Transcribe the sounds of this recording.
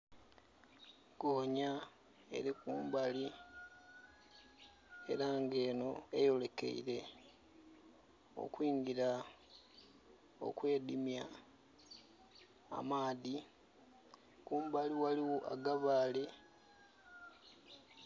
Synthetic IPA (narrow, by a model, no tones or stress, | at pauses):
ɡ̥oːɲa | e̞̰ɾikuːmbali | e̞̰ɾaŋɡe̞ːno̞e̞jo̞le̞ke̞̰ḭɾe̞ | o̞̰kwiːŋɡiɾa | o̞̰kwe̞ːdimja | maːði | kuːmbaliwaliwoʔa̰ɡaβaːle̞